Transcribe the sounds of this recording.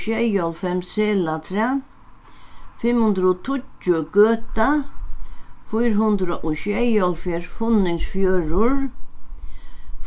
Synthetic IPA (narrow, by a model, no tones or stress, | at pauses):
ʃɛjɔlfɛmsɛːlat̪ʰɾa | fɪmhʊnd̪ɾɔt̪ʰʊt͡ʃːʊɡøːt̪a | fʊjɾɦʊnd̪ɾaʔɔɕɛjɔlfjɛɹfʊnːɪŋsfjøːɹʊɹ